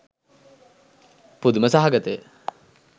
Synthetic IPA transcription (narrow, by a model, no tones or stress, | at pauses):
pud̪uməsaɦaɡət̪əj